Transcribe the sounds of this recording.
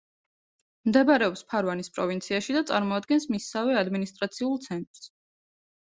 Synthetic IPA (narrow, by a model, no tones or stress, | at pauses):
md̪ɛbaɾɛɔpspʰaɾvanispʼɾɔvint̪sʰiaʃid̪at̪sʼa̰ɾmɔad̪ɡɛnsmisːavɛad̪minist̪ʼɾat̪sʰiulˠt̪sʰɛnt̪ʼɾs